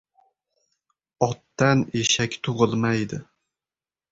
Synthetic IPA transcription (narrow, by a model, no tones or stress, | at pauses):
ɒt̪ːaneʃakʲt̪ʰʊʁɨlˠmajd̪ɪ